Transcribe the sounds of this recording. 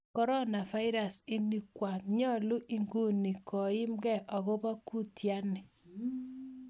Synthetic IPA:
kɔ˦ɾɔ˦na˨va˦ɪ˦ɾa˨sɪ˦ni˦kwa˨tɲɔ˦˨lu˦ʔi˦ŋɡu˦ni˨kɔ˨ɪ˦mɡɛ˦˨ʔɔ˨ɣo˦bɔ˦ku˦˨tja˦nɪ˨

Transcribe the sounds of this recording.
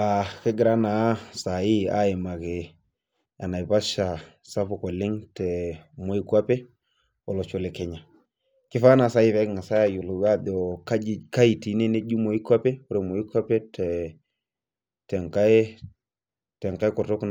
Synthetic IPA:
a˨kɪ˦ɡɪ˨ɾa˦na˨˦sa˨ji˦a̰˦ɪ˨ma˨ke˨ | a˨na˨jpa˦ʃa˨ | sa˦fʊ˨kɔ˨lɪ˦ŋtɛ˨mo˦i˦ka˦pe˦ | ɔ˨lɔ˨t͡ʃo˨le˨kɛ˨ɲa˨ | kɪ˦fa˦na˨˦sa˨˦i˦fɛ˨˦kŋa˨sa˦ja˨ju˨lʊ˨wa˦dɔ˨ka˦˨ka˦i˨ti˨ne˦ne˦d͡ʒu˦mo˨i˦kwa˦pe˦o˦ɾe˨mo˨i˦kʷa˦pe˦tʰɛ˨ | tɛ˨ŋka˦e˦ | tɛ˨ŋka˦jkɔ˨to˦k

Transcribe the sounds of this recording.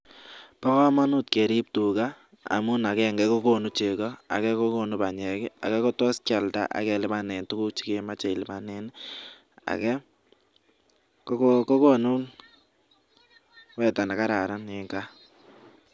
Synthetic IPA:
pɔ˦kɔ˦ma˦nu˦tke˨ɾi˦p̚tu˨ka˦ | a̰˨mʊ˦na˨kɛ˦˨ŋɡɛ˦ko˦ko˨nu˦t͡ʃe˨kɔ˦a̰˨kɛ˦ko˦ko˨nu˦pa˨ɲɛ˨kɪ˦a̰˨kɛ˦kɔ˦tɔ˦ska˨lta̰˦ʔa̰˨kɛ˨lɪ˦ma˦nɛ˨ntu˦ku˦t͡ʃi̥˦ke˦ma˦t͡ʃe˨i˨lɪ˨ma˨nɛ˦n | a̰˨kɛ˦ | kkko˦ko˦nu˦n | wɛ˦ta˨na˨ka˦ɾa˨ɾa˦ne˨ŋɡa˦

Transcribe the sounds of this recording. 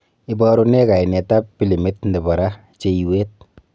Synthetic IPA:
ɪbɔɾune˦ka˨jne˨ta˦pːi˦li˨mi˦tnde˨ba˨ɾa˦ | t͡ʃe˦iwe˦t̚

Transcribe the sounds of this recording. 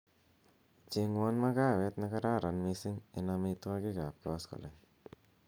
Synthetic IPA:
t͡ʃɪ˦ŋwɔ˦nma˦ka˦˨we˦t̪na˦ka˦ɾa˦˨ɾa˨nmɪsɪ˦ŋɪ˨na˧mi˧ta˦kɪ˦ka˨p̚kɔ˦skɔ̰˨lɛ˨n

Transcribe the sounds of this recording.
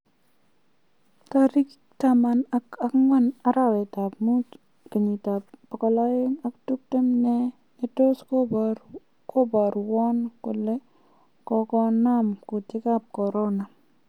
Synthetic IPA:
kaɾi˦k | tama˨naa˦kŋwa˦na˦ɾa˦wɛ˨ta˨pmu˦t | ke˨ɲi˨ta˨pbɔ˨kɔ˨la˦jɪ˦ŋa˦ktu˦k̚te˦mnɛ˦ | e˦to˦sk | ko˦ba˨ɾwɔ˦nkʊ˨le˦ | kɔkɔ˦namkʊ˨tɪ˦ka˦p̚kɔ˨ɾɔ˦na˨

